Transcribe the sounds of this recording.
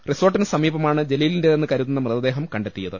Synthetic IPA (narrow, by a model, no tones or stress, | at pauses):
riso̞ːrʈːinsɐmiːbɐmaːɳɨd͡ʑe̞lijilindeenːɨkɐɾuðunːɐmrɨðɐd̪e̞ːɦɐmkɐɳɖe̞t̪ːijɐðɨ